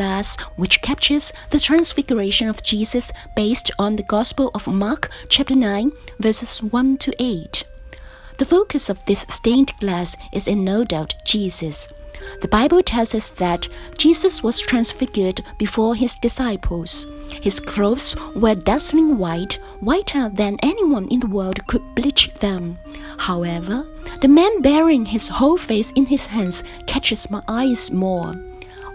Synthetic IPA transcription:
læswɨt͡ʃkʰæp̚t͡ʃə˞zðɨtʰɹ̥æ̃nsfɪɡjə˞eɪʃɨ̃nʌvd͡ʒizɨsb̥eɪstn̩ðɨɡɑspəl̩ˠʔʌvmɑɹkt͡ʃʰæp̚tə˞nãɪ̃nvɜ˞sɨz̥wʌ̃ntʰɨʔeɪt | ðɨfoʊkɨsʌvðɪstẽɪ̃ndɡ̥læsʔɨzɨ̃nːoʊdaʊtd̥ʒ̥izɨs | ðəbaɪbl̩ˠtʰɛlˠzʌsðɨtd̥ʒ̥izɨswʌz̥tʰɹ̥æ̃nsfɪɡjə˞dbɨfɔɹɪzdɨsaɪpʰl̩ˠz̥ | hɨz̥kʰl̥oʊswə˞dʌzl̩ˠɪ̃ŋwaɪt | waɪɾʰə˞ðɨ̃nʔɛniwʌ̃nʔɨ̰̃nðəwɜ˞lˠd̚kʰɨd̚blɪt͡ʃðɨ̃m | haʊɛvə˞ | ðɨmæ̃nbɛɹɪ̃ŋɪz̥hoʊlˠfeɪsɨ̃nɪz̥hæ̃nz̥ | kʰæt͡ʃɨz̥maɪʔaɪz̥mɔɹ

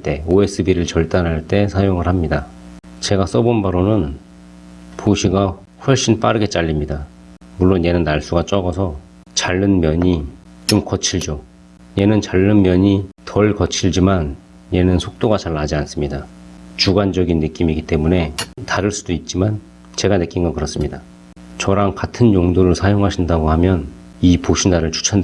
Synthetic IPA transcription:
t͈e̞oe̞s͈ʰɯbiɾɯɭt͡ɕʌɭt͈anɦaɭt͈e̞sʰajoŋɯɭhamɲida | t͡ɕe̞ɡas͈ʌbonbaɾonɯn | pʰoɕʰiɡa | ɸwʌɭɕ͈inp͈aɾɯɡe̞t͡ɕ͈aʎːimɲida | muɭːonje̞nɯnːaɭs͈uɡat͡ɕ͈ʌɡʌsʰʌ | t͡ɕaɭːɯnmjʌɲi | t͡ɕomk͈ʌt͡ɕʰiɭd͡ʑo | je̞nɯnt͡ɕaɭːɯnmjʌɲitʰʌɭkʌt͡ɕʰiɭd͡ʑiman | je̞nɯnsʰok̚t͈oɡat͡ɕaɭːad͡ʑians͈ɯmɲidat͡ɕuɡand͡ʑʌɡinːɯk͈imiɡit͈e̞mune̞taɾɯɭs͈udoit̚t͡ɕ͈iman | t͡ɕe̞ɡanɯk͈inɡʌkɯɾʌs͈ɯmɲida | t͡ɕʌɾaŋkatʰɯnjoŋdoɾɯɭsʰajoŋɦaɕʰindaɡohamjʌn | ipoɕʰinaɾɯɭt͡ɕʰu̥t͡ɕʰʌn

